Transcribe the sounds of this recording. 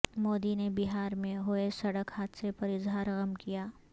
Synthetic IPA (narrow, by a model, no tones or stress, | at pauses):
moːd̪inebiɦaːɾmẽɦoesɐɽəkhaːt̪sepɐɾɪzɦaːɾɣɐmkijaː